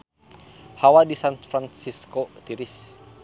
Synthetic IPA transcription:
hawadisanfɾansiskot̪iɾis

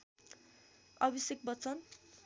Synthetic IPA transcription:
ʌbisjek̚bʌt͡sʌn

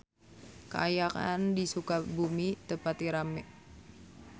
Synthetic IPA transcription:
kə̰ajaka̰ndisukabumit̪əpat̪iɾamɛʔ

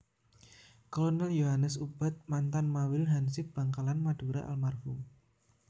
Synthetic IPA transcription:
kolɔnɛljoɦanəsub̥a̤t̪̚mant̪anmawɪlɦansɪb̥aŋkalanmad̥uɾa̰ʔa̰lmarfʊm

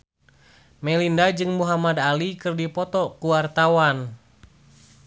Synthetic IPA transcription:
mɛlindad͡ʒɨŋmuɦamadalikɨrdipɔt̪ɔkuwart̪awan

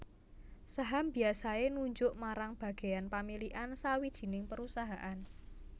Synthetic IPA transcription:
saɦambi̤asaenuɲd͡ʒʊʔmaɾaŋb̥ä̤ɡ̥e̤janpamiliʔansawid̥ʒ̥i̤nɪŋpəɾusaɦaʔan

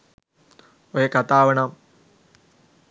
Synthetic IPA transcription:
oɦekɐt̪aːʋɐɳam

